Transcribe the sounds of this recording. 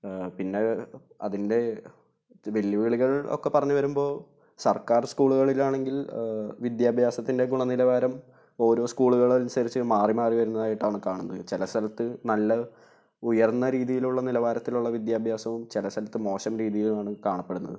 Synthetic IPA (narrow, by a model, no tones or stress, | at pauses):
pinːe̞ | ɐ̰ðinde̞ | ʋe̞lːiʋiːɭiɣɐɭo̞̰kːe̞pːɐrɐɲːuʋɐɾumbo̞ː | sɐrkaːrskuːɭuɣɐɭilaːɳe̞ŋɡilʋid̪jaːbʱjaːsɐt̪ːinde̞ɡuɳɐnilɐʋaːɾɐm | o̞ːɾo̞ːskuːɭuɣɐɭɐlnsɐɾit͡ɕːɨmaːrimaːriʋɐɾunːɐðaːjiʈːaːɳɨkaːɳunːɐðɨt͡ɕe̞lɐst̪ɐlɐt̪ːɨnɐlːɐ | ujɐrnːɐɾiːðijiluɭːɐnilɐʋaːɾɐt̪ːiluɭːɐʋid̪jaːbʱjaːsɐʋumt͡ɕelɐst̪ɐlɐt̪ːɨmo̞ːɕɐmɾiːðijilumaːɳɨkaːɳɐpːe̞ɽunːɐ̰ðɨ